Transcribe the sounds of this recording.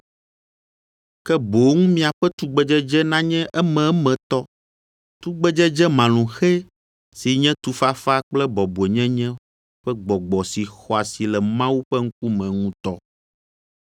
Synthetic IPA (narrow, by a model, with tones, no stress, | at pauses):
kɛ˦bo˨˦ŋũ˦mĩ˦a˨ɸɛ˦t̪u˦ɡ͡bɛ˦d͡ʒɛ˦d͡ʒɛ˦nã˦ɲɛ̃˦ʔɛ˦mɛ̃˨˦mɛ̃˨t̪ɔ˦ | t̪u˦ɡ͡bɛ˦d͡ʒɛ˦d͡ʒɛ˦mã˨lũ˨xe˦ | si˨ɲɛ̃˦t̪u˨fa˦fa˦k͡plɛ˦bɔ˨bu˨ɛ˨ɲɛ̃˦ɲɛ̃˦ | ɸɛ˦ɡ͡bɔ˨ɡ͡bɔ˨si˨xɔ˨a˨si˨lɛ˨mã˦wu˦ɸɛ˦ŋ̩˦k̚u˦mɛ̃˨ŋũ˦t̪ɔ˦